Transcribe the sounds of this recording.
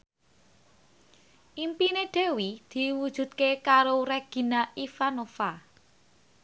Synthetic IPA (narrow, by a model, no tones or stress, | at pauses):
ʔimpineɖ̪̥e̤wid̪̥i̤wud̥ʒ̥ṳt̪̚kekaɾoreɡ̥i̤naʔifanofa